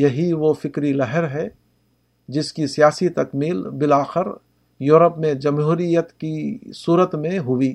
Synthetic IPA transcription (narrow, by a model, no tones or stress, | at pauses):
jɐɦiʋofɪkɾilɐɦəɾɦɛ | d͡ʒɪskisijaːsit̪ɐkmiːlbɪlaːxɪɾ | joːɾəpmẽd͡ʒɐmɦuːɾijət̪kisuːɾət̪mẽɦʊiː